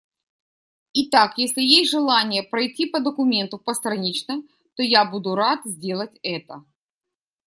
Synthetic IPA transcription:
ɪt̪akjesʲlʲɪjesʲtʲʐɨlˠanʲɪjəpɾɐjtʲːipəd̪əkʊmʲe̞nt̪ʊpəst̪ɾɐnʲit͡ɕnə | t̪ojabud̪ʊɾat̪zʲdʲe̞lˠətʲɛt̪ə

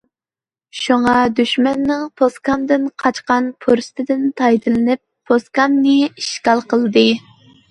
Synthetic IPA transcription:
ʃuŋɑd̪yʃmɛnːɨŋpʰoskɑmd̪ɪnqʰɑt͡ʃqɑnpʰoɾsɨ̥t̪ʰɪd̪ɪnt̪ʰɑjd̪ɨlɨnɪpʰːoskɑmnɨiʃkɑlˠqəlˠɨd̪ɨ

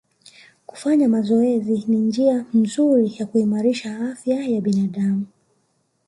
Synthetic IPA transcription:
ku̥faɲamazɔɛzinind͡ʒiam̩zuɾijakuimaɾiʃaafjajaɓinaɗamu

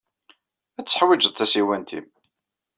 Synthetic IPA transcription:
æt͡sːə̥ħwid͡ʒəðˤθæsiwænt̪ḭm

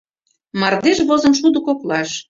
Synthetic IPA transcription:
mɑrd̪eʃβozə̆nʃ̬ud̪ə̆koklɑʃ

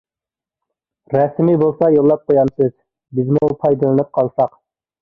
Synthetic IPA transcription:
ɾɛsmibolˠsɑjolˠːɑp̚qʰojɑnsɨz̥ | bɪzmupʰɑjd̪ɨlˠɨnɨp̚qʰɑlˠsɑq

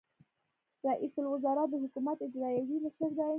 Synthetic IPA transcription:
ɾɑʔisəlwʊzɑɾat̪̚d̪əɦʊkumat̪ɪd͡ʒɾɑjawiməʃəɾd̪a

